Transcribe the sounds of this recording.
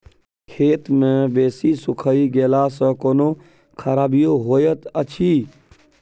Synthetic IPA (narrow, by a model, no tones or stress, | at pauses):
kʰeːt̪mẽʋeːsisʊkʰəiɡeːlaːsə̃koːnoː | kʰəɾaːbijoɦoːjət̪ət͡ʃʰiː